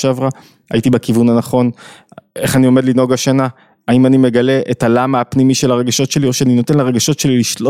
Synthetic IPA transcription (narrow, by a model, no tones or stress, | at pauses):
ʃeavʁa | ajitibekivunanaχo̞n | e̞χanio̞me̞dlino̞ɡaʃana | aimanime̞ɡale̞ʔetalamaːpnimiʃe̞laʁe̞ɡaʃo̞tʃe̞lio̞ʃeanino̞te̞nleʁeɡaʃo̞tʃe̞liliʃlo